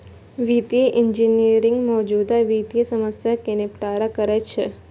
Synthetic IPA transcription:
ʋit̪jeʔɪɲd͡ʒiniɾɪŋɡmɔːd͡ʒud̪aʋit̪jesəməsjakenipʈaɾakəɾet͡ʃʰe

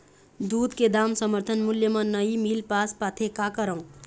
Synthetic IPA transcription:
d̪uːd̪ked̪aːmsəməɾt̪ʰənmuljəmãnəimilpaːspat̪ʰekakəɾə̃ũ

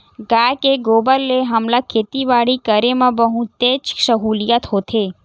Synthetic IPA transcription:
ɡajkeɡoːbəlːeɦəmlakʰeːt̪iʋaːɽikəɾemãbəɦũt̪et͡ʃsəɦuːlijat̪ɦot̪ʰe

